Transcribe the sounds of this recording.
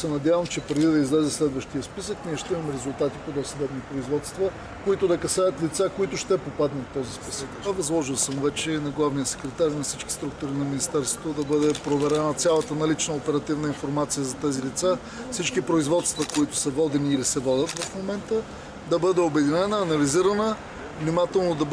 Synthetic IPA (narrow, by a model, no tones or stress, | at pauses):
sɛnɐd̪javəmt͡ʃɛpɾɛd̪id̪ɐizlɛzɛslɛd̪vəʃt̪ijəspisəkniɛʃt̪ɛimɐmɛɾɛzulˠt̪at̪ipod̪ɔsɐd̪ɛbnipɾoizvɔt̪st̪və | koit̪ʊd̪ɐkɐsaɐt̪lit̪sakoit̪ʊʃt̪ɛpopad̪nət̪ːɔzispisəkɐvɐzlˠɔʒilˠsəmvɛt͡ʃɛnɐɡlˠavnijəsɛ̥kɾɛt̪aɾʲnɐfsit͡ʃki̥st̪ɾukt̪ʊɾinɐminist̪ɛɾst̪vot̪od̪ɐbɤd̪ɛpɾovɛɾɛnət̪sʲjalˠɐt̪ənɐlit͡ʃnəopɛɾɐt̪ivnəinfoɾmat̪sijəzɐt̪ɛzilit̪sa | fsit͡ʃkipɾoizvɔt̪st̪vɐkoit̪ʊ̥sɐvɔd̪ɛniːlisɛvɔdʲət̪vɐfmomɛnt̪ə | d̪ɐbɤd̪ɛobɛd̪inɛnəːnɐliziɾɐnə | vnimat̪ɛlˠnod̪ɐ